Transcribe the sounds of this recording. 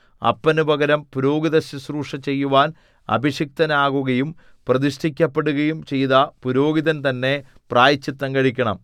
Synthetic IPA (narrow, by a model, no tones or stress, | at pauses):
ɐ̰pːɐnubɐɣɐɾɐmpuɾo̞ːɡiðɐɕɐsruːʂɐt͡ɕe̞jːuʋaːn | ɐ̰bʱiʂik̚t̪ɐnaːɣuɣɐjum | prɐðiʂʈʰikʲːɐpːe̞ɽuɣɐjumt͡ɕe̞jt̪ɐpuɾo̞ːɣiðɐnt̪ɐnːe̞ | praːjit͡ɕːɐt̪ːɐŋɡɐɻikʲːɐɳɐ̰m